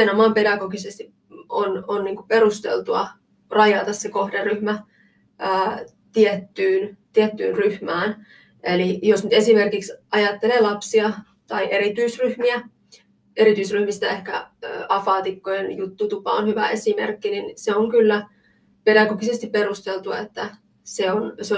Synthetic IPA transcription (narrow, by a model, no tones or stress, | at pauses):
enomɑːmpedɑɡoɡisest̪i | ononniːŋkuperust̪ḛlt̪uɑ̰ | rɑjɑt̪ɑssekohderryhmæ | əː | t̪iet̪ːyːnt̪iet̪ːy̰ːnryhmæːn | ʔelijosnyt̪e̞simerkiksɑjɑt̪ːeleːlɑpsiɑ | t̪ɑiʔe̞ɾit̪yisryhmiæ | eɾit̪yisryhmist̪æehkæ̰ø̰ːɑfɑːt̪ikːojenjut̪ːut̪upɑ̰onhyʋæ̰ʔesimerkːininseoŋkylːæ | pedɑkokisest̪ipperust̪elt̪uɑet̪ːæ | seonseo